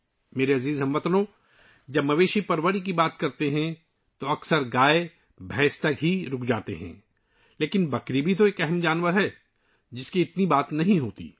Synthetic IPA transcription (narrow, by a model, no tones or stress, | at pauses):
meːɾeɐziːzɦɐ̃mʋɐt̪nõ | d͡ʒɐbmɐʋeːʃipɐɾʋəɾik̬ibaːt̪kɐɾt̪eɦɛ̃ | t̪oɐksəɾɡaːe | bʱɛːst̪əkɦiɾʊkʰd͡ʒaːt̪ḛɦɛ̰̃ː | leːkɪnbɐkɾibʱit̪oeːkɛɦɛmd͡ʒaːnʋəɾɦɛː | d͡ʒɪskiɪt̪nibaːt̪nɐɦĩɦoːt̪ḭː